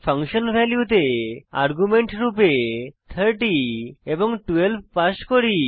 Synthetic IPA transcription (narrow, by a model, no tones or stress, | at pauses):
pʰʌŋʃonbʱɛljut̪̬ea̰ɾɡumeɳʈɾupet̪ʰəɾʈieboŋʈuelb̚ʱpaʃkoɾi